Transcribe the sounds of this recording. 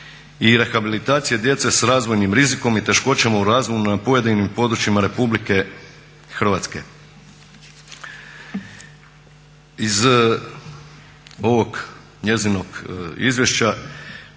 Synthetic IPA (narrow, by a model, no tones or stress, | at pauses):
iɾe̞xabilit̪aːt̪sijed̪je̞t̪se̞sɾaːzʋo̞jnimɾiziko̞mit̪e̞ʃko̞t͡ɕamauɾaːzʋo̞junapo̞je̞d̪inimpo̞d̪ɾut͡ɕimaɾe̞publike̞ | xr̩ʋat̪ske̞̰ | iz | o̞ʋo̞ɡ | ɲe̞zino̞ɡizʋje̞ʃt͡ɕa